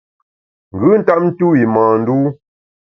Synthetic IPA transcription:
ŋ̩˨ɡʉ˦n̩˦ta˦m̚n̩˦tu˦wi˨mãː˨n̩˦duː˦

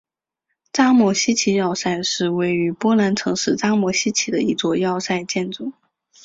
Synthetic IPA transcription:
ʈ͡ʂa˥mwɔ˧˥ɕi˥t͡ɕʰi˧˥jɑ˥˧ʊsa˥˧ɪʂɻ̩˥˧we˥˩ɪy˧˥pwɔ˥la˧˥nʈ͡ʂʰɤ˧˥ŋʂɻ̩˥˩ʈ͡ʂa˥mwɔ˧˥ɕi˥t͡ɕʰi˧˥d̪ə̰˧i˧˥t͡swɔ˥˧jɑ˥˧ʊsa˥˧ɪt͡ɕjɛ˥˩nʈ͡ʂʊ˨˩˦

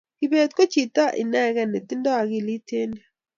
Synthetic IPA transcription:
ki˨be˨t̪̚ko˦t͡ʃi˨ta˦ʔɪ̰˨nɛ˦˨ɣɛ˦˨ne˨t̪i˦ndɔ˦a˨ɣi˦˨li˦te˦ni˦

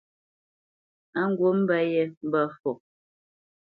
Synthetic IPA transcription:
a˦ŋ̩˦ɡwo˦m̩˦bɛ˦jɛ˦m̩˦bə˦fɔ˨

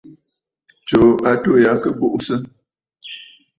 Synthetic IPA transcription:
t͡ʃo˨a˦to˦˨ja˨˦kə˦bo˦ʔsə˦

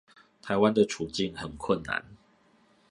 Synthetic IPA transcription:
t̪ʰa˨ɪwa˦nd̪ə˨ʈ͡ʂʰu˨˩t͡ɕi˥˨ŋhə˨˩nkʰwə˥˨nːa̰˧˦n

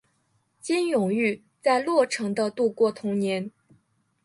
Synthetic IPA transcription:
t͡ɕi˥njʊ˨˩ŋy˥˩ | t͡sa˥˧ɪlwɔ˥˩ʈ͡ʂʰɤ˧˥ŋd̪ə˧t̪u˥˧kwɔ˥˩t̪ʰʊ˧˥ŋnjɛ˧˥n

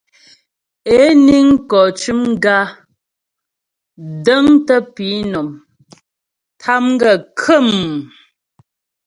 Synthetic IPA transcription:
e˨˦ni˦ŋ˦kɔ˨t͡ʃʉ˦mɡa˦ | də˦ŋtə˦pi˨˦nɔ˨m | tʰa˦mŋ˦ɡə˨kʰə˦˨m

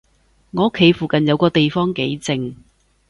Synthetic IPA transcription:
ŋɔː˨˧o˥kʰːe˨˥jfuː˨kɐ˨njɐ˨˧wkɔː˧t̪e˨jfɔː˥ŋke˨˥jt͡sɪ˨ŋ

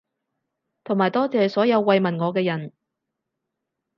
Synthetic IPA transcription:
t̪ʰo˨˩ŋmaː˨˩jt̪ɔː˥t͡sɛː˨sɔː˨˥jɐ˨˧wːɐ˧jmɐ˨nŋɔː˨˧k̬ɛː˧jɐ˨˩n

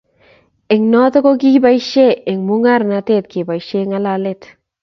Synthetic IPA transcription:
ɪ˨ŋnɔ˦tɔ˦ko˦ki˦ba˦jʃe˦ɪ˨ŋmu˦ŋa˦ɾnate˦t̚kɪ˨ba˨jʃe˦ŋa˦lalet

